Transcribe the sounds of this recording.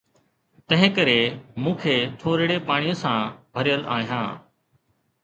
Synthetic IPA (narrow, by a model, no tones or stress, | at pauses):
t̪ə̃ɦɪ̃kəɾeːmũːkʰeːt̪ʰoːɾɪɽeːpaːɳ̃ɪjõːsãːbʱəɾɪjəla̰ːijãː